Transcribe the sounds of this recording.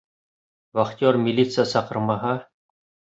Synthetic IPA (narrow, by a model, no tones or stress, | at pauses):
vɐχt̪ʲormʲilʲit̪sɨjəsɑqɤ̆ɾmɑɦɑ